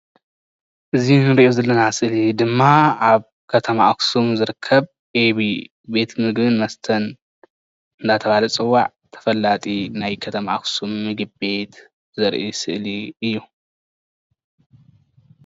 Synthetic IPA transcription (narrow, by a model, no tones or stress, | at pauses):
ʔɨzinɨɾiʔozɐlːɐnasɨʔlid̪ɨmːaaβ | kʰɐt̪ʰɐmaaksumzɨɾɨkʰːɐβ | ʔeβi | be̞t̪mɨɡbɨnmɐst̪ʰɐn | ɨnd̪ʰat̪ʰɐβalɐt͡sʼɨwːaʕ | t̪ʰɐ̥fɐlːat̪ʼinajkʰɐt̪ʰɐmaʔaksumːɨɡɨbbe̞t̪ | zɐɾʔisɨʔliɨjːu